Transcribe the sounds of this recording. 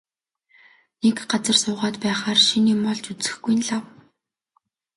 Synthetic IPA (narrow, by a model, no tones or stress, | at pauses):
nekɢat͡sə̆rsʊːʁaːt̪pæːχaːrʃiniːmɔɮt͡ɕut͡sɘ̥̆xɡujnɮaw